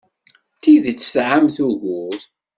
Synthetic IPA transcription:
θiðt͡sːθʕamθuʝʊθ

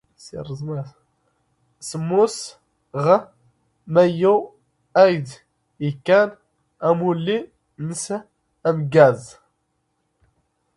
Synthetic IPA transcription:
sḭrˤzˤmæθ | səmːʊs | ʁə | mæju | æjd̪ | əkːæn | æmulːi | nəs | æmɡæz

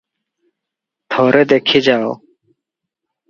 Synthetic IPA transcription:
t̪ʰoːɾed̪eːkʰid͡ʑaːo̰ː

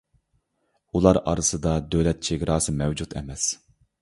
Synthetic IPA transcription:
ulˠɑɾɑ̰ɾɨsɨd̪ɑd̪øwlɛt̪̚t͡ʃʰeɡʲɾɑːsɨmɛwd͡ʒut̪ʰɛ̰mɛs

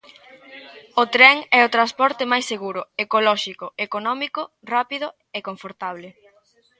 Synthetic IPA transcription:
ot̪ɾɛŋɛʊt̪ɾaspɔɾt̪emajsːeɣuɾʊekolɔʃikʊekonɔmikʊ | rapið̞ʊ | ekoɱfoɾt̪aβle

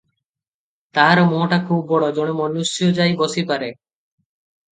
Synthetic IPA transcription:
t̪aɦaɾɔmoʈakʰubːɔɽɔd͡ʒoɽ̃emɔnusjɔd͡ʒajbɔsipaɾe

